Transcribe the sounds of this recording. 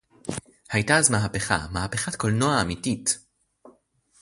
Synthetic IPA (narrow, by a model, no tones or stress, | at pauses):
hajtaːzmaɦape̞χa̰mahape̞χatkolnoaːmitit